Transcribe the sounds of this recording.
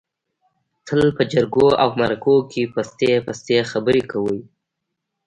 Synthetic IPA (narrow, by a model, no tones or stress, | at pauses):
t̪ʰəlpəd͡ʒaɾɡoa̰wmaɾakokʰepast̪epast̪exabəɾekawəj